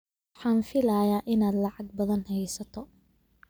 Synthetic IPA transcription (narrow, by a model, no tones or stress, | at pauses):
ħɑːnfɪlaːjaːʔɪnaːd̪lɑʕɑɡ̚bɐðɐnhɛjsɐt̪ʰɔ